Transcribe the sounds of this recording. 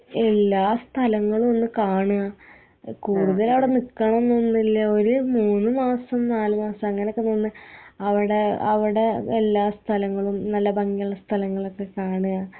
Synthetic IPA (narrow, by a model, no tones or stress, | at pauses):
elːaːst̪ʰɐlɐŋːɐɭumo̞nːɨkaːɳuɣa | kuːɽuðɐlɐʋiɽe̞nikːɐɳɐmonːonːilːɐo̞ɾumuːnːɨmaːsɐmnaːlumaːsɐmɐŋːɐnekːenonːɨɐʋiɽe̞ɐ̰ʋiɽe̞ːlːaːst̪ʰɐlɐŋːɐɭumnɐlːɐbɐŋɡijɐɭːɐst̪ʰɐlɐŋːɐɭo̞kːe̞kaːɳuɣɐ